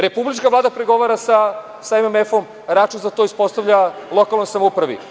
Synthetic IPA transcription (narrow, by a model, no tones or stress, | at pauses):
ɾe̞publit͡ʃkavlaːd̪apɾeɡo̞ʋaɾasa | saememefom | ɾat͡ʃunzat̪oispo̞st̪aʋʎalˠo̞kalˠnojsamoupɾaʋḭ